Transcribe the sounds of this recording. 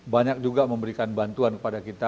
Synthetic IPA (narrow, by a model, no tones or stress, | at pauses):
baɲak̚d͡ʒuɡaməmbəɾikanbant̪uankə̥padakit̪a